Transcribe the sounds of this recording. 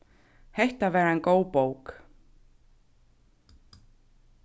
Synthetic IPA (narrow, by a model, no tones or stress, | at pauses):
hɛjht̪avɛːɾaɛnkoːwpoːwk